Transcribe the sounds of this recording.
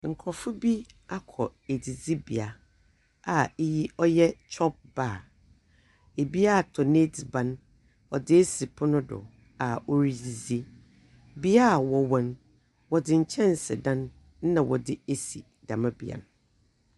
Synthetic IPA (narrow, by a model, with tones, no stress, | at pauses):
ŋ̩˨kʰɾɔ˨fʊ˦bi˦ | a˦kʰɔ˨e˨di˨zi˦bi˨a˨ | a˨e˦ji˦ɔ˦jɛ˦t͡ɕʰɔ˦p̚baː˦˨ | e˨bi˦a˦˨tʰɔ˨ne˦di˨bã˦n | ɔ˨dɪ˦e˦si˨pʰʊ˦nʊ̃˦dʊ̰˨ | a˨ɔ˨ɾi˨d͡zi˨zi˦ | bi˦a˦˨wɔ˨wã˨n | wɔ˨dɪ˦ɲ̩˨t͡ɕʰɛ̃˦n˨sɪ̰˨dã˦n̩ː˦ | nã˨wɔ̰˨dɪ˦e˦sḭ˨ | dã˨mã˦bḭ˨a̰˨nʊ˨˦